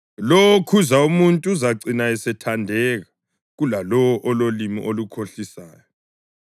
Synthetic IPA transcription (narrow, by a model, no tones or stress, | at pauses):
lowɔkʰuzaumuntʼuːzaǀinaɛsɛtʰandʱɛːɣa | ɣulalɔwɔʔɔlolimḭʔolukʰoɬisa̰ːjɔ